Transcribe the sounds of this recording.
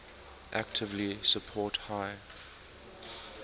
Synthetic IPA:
ʔæk̚tʰɪvlisəpʰɔˑthaɪ

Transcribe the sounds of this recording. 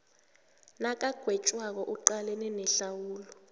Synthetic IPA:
nak̬ʼaɡ̥ʱwɛt͡ʃʼwak̬ɔʔuǃalɛnɛnɛɬawuːlɔ

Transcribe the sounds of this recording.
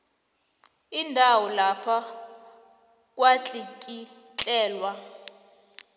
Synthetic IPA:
indʱawɔlapʰa | k̬ʼwat͡ɬʼikʼi | t͡ɬʼɛːlwa

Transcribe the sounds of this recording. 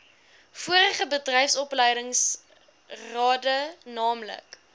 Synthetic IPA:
fuəɾəχəbədrɛjfsɔplɛjdəŋs | rɑːdənɑːmlə̰k

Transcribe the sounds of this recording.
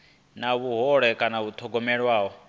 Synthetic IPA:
naβuɦɔɺɛkʼanaβut̪ʰɔɡɔmɛɺwaːɦɔ

